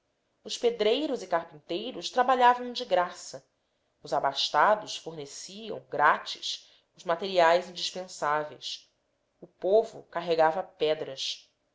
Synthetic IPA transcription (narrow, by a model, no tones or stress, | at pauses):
ʊsped̪ɾejɾʊzikahpĩnt̪ejɾʊʃt̪ɾabaʎavɐ̃w̃d͡ʒɪɡɾasɐ | ʊzabaʃt̪ad̪ʊʃfoɦnesiɐ̰̃w̃ɡɾat͡ʃi̥̰s | ʊzmat̪eɾiajzĩnd͡ʒiʃpẽsavejs | ʊpovʊ̰kaɦeɡavɐpɛd̪ɾɐs